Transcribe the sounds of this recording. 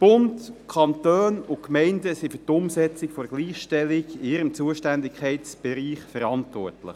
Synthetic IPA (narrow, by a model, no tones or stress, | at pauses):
b̥ʊndkʰɑntøːnʊkmɛɪndəsifyːtʊmsɛt͡sɪkfɔɾəɡ̥liːχʃtɛlɪɡɪɪɾəmt͡suəʃtændɪkχɛɪtt͡sb̥ɛɾiːχfəɾɑntʋɔ̰rtlɪ̰χ